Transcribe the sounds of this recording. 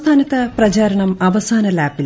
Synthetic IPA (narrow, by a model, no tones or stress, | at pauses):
t̪ʰaːnɐt̪ːɐprɐt͡ɕaːɾɐɳɐmɐʋɐsaːnɐlaːpːil